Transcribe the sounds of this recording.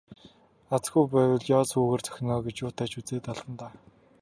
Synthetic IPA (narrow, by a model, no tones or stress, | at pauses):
at͡sɡujpæːwə̆ɮjɔːsuːɣeːrt͡sʰœ̥xʲɪ̆nɔːɡet͡ɕjʊːt̪ʰæːt͡ɕut͡seːt̪aɮt̪ə̆nt̪aː